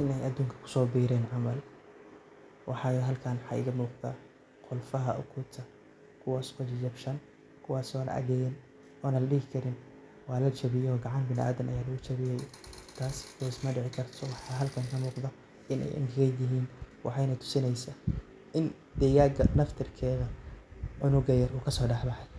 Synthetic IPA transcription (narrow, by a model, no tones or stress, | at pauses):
ʔɪnɛjɐd̪uːŋkʰɐ̥kʰʊ̥sɔːbiːɾɛːnʕɑmɐl | wʔɑħɑːjɔɦɐlkʰaːnħɑ̰ʔɪ̰ɣɐmuːqd̪a̰ː | qʊlfɐɦɐʔʊ̰kʰuːt̪ʰɐ | kʰʊwaːsɔd͡ʒd͡ʒɐbʃɐn | kʰʊwɑːsɔːnɐ̰ʔɐ̰ɣɛːjɛn | ɔːnɐlɐɖɪɣɪkʰɐɾɪn | waːlɐt͡ʃɐβɪjɔɔːɡɑʕɑnbɪnɪʔa̰ːd̪ɐmɐjaːlɐɣʊt͡ʃɐβɪjɛjt̪ʰaːskːsmɐɖɪʕɪkʰɐrt̪ʰɔwɑħɑɦɐlkʰɐŋkʰɐmuːqðɐ | ɪnɛ̰jʔɐ̰ŋkʰɪɣɛjd̪ɪɦiːnwʔɑ̰ħɑjnɐt̪ʰʊ̥sɪnɛjsaː | ʔɪn | d̪ɛjaːɡɐnɐft̪ʰɪrkʰɛːɣɐʕʊnʊɡɐjɐruːkʰɐsɔːɖɑħbɑħɛj